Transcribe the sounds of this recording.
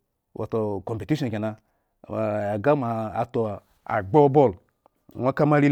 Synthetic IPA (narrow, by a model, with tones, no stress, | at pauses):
wʔo̰˨to˨ko˨pe˨ti˦ʃɔ̃˨ke˨na˧˨ | a˨a˨ɡa˦ma˨a˨to˨ | a̰˨ɡ͡bo˦bo˦˨l | wʷa˦ka˦ma˦ɾi˦